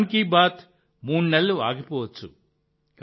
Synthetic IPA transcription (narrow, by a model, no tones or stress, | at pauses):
nkiːbaːt̪ | muːɳnelːua̰ːɡipɔːʋɐt͡ʃːu | k